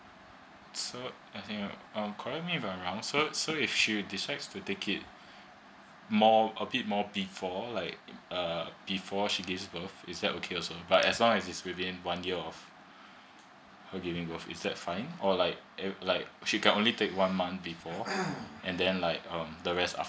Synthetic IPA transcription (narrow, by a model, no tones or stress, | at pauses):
so | aɪθĩŋʌ̃mkʰɔɹɛk̚t̚mivãɹãʊ̃nsosoifʃidisaɪdstutekʰɪt̚ | mɔəbit̚mɔbifɔlaɪkʌb̥ifɔʃiɡɪvsbəθisdɛtokʰeɔsobatɛslɔ̃ŋɛsitsɹivĩnwãnjiəɔf | həɡɪvɪ̃ŋbəfɪ̰sdɛtfãɪ̃nɔlaɪk̚ɛlaɪk̚ʃikɛ̃nʔõnlitʰek̚wãnmãnθbifɔʔɛ̃ndɛ̃nlaɪkʌ̃mdəɹɛsta̰f